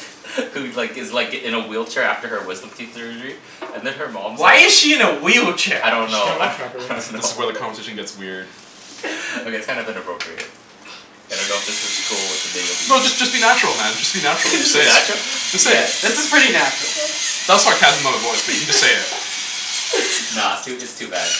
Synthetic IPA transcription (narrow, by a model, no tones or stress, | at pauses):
hʉlaɪkɨzlaɪkɨ̃nəwilˠt͡ʃʰɛɹæ̰ftə˞ə˞wɪzdə̃m̩kʰip̩ˠə˞ɨtɹit̚ | ɨ̃nðɨ̃nə˞mɑ̃mwaɪɨz̥ʃiɨ̃nəwil̚ˠt͡ʃʰɛɹa̰ɪɾõʊ̃nːoʊanðɪsɨzwaɪðɨkʰɑ̃ɱvəseɪʃnɡɛtswɪɹd̥ | oʊkeɪtskʰãɪ̃ndɨbɨ̃nɨpʰɹ̥oʊpʰɹiɨ̰t̚ | ɨ̃nɡoʊðɪsʌz̥kʰulˠwət̚ðɨbɪɡɨsnoʊd͡ʒʌsd̥ʒ̥ʌsb̥inæt͡ʃɹl̩ˠmæ̃nd͡ʒʌstb̥inæt͡ʃɹl̩ˠseɪæt͡ʃ̩ˠd͡ʒʌsseɪðætsd͡ʒ̥ʌspʰɹ̥ɪɾinæt͡ʃɹ̥l̩ˠðæslɑɪkhæzənʌðə˞vɔɪsb̥d͡ʒʌseɪɪt̚ | nosoiʌd͡ʒʌstʰʉbæ̰d̥̚